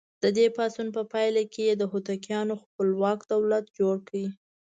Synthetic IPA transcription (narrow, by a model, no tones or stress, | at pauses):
d̪̥əd̪epɑsunpəpɑjlakejed̪əɦot̪akjɑnoxpəlwɑkd̪awlat̪d͡ʒoɽkʰawi